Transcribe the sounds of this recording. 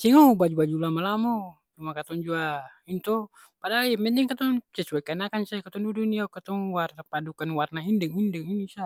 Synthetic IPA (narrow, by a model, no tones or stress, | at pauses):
siŋɔbad͡ʒubad͡ʒulamalamɔ | t͡ʃumakat̪ɔŋd͡ʒuaint̪ɔ | padamɛnt̪ɛŋkat̪ɔŋt͡ʃɛsuakanakansakat̪ɔŋdudunijakat̪ɔŋwarnapadukanwarnaindɛŋindɛŋinisa